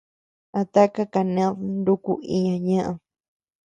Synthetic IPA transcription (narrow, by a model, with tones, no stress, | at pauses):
a˧˨t̪a˦ka˦ka˨nẽ˦ðnd̪u˦ku˧i˧ɲã˧ɲã˦ʔã˧